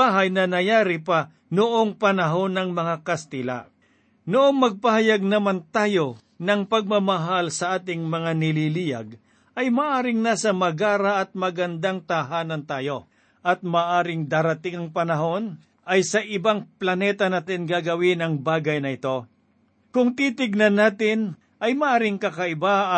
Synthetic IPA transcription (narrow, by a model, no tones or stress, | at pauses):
aːɦɐjnɐnɐjaːɾɪpa | noʔoŋpɐnɐɦo̞nːɐŋmɐŋakɐst̪ɪla̰ | noʔo̞ŋmɐɡ̚pɐhɐjaɡ̚nɐmant̪aːjo̞ | nɐŋpɐɡ̚mɐmɐɦalsɐʔaːt̪ɪŋmɐŋanɪliːlijɐ̰ɡ̚ | ʔɐjmaːʔaːɾɪŋnasɐmɐɡaːɾɐʔɐt̪̚mɐɡɐnd̪aŋt̪ɐɦaːnɐnt̪aːjo̞ | ʔɐt̪̚mɐːʔaːɾɪŋd̪aːɾɐt̪ɪŋɐŋpɐnɐɦo̞n | ɐjsɐʔɪbaŋplɐnɛt̪ɐnaːt̪ɪnɡaːɡɐwɪnɐŋbaːɡɐjnɐɪt̪o̞ | kʊŋt̪iːt̪ɪɡ̚nɐnːaːt̪ɪn | ʔɐjmɐʔaːɾɪŋkɐkɐɪba